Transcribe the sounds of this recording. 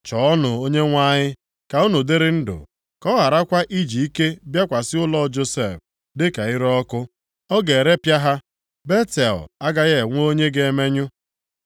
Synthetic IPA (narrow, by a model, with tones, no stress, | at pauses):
t͡ʃɔ˨ɔ˦nʊ˨o˦ɲe˦ŋʷa˦ɲɪ˦ | ka˨ʊ˦nʊ˨dɪ˦ɾɪ˦n̩˦dʊ̰˨ | kɔ˦ɣa˨ɾa˦kʷa˦ʔi˦d͡ʒi˨i˦ke˦bja˦kʷa˨sɪ˦ʊ˦lɔ˦d͡ʒo˦sḛ˨f | dɪ˦ka˨i˦ɾɔ˦kʊ˦ | ɔ˦ɡe˨e˨ɾe˦pja˦ɦa˦ | be˦te˨l̰a˦ɡa˦ɣe˦e˨ŋʷ˦o˦ɲe˦ɡe˨e˨me˦ɲʊ˦